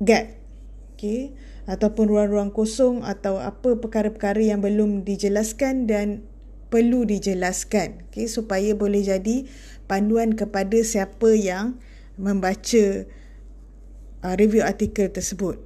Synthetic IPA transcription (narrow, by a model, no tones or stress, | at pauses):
ɡat̪̚ | oke | at̪awpʊnruaŋruaŋkosɔŋa̰t̪awa̰pəpəkaɾəpəkaɾəjaŋbəlʊmdid͡ʒəlaskandan | pərludid͡ʒəlaskanokesupajabolɛhd͡ʒadi | panduankəpadasiapəjaŋ | mə̃mbat͡ʃə | ʔəɾivjuart̪ikəlt̪ərsəbʊt̪̚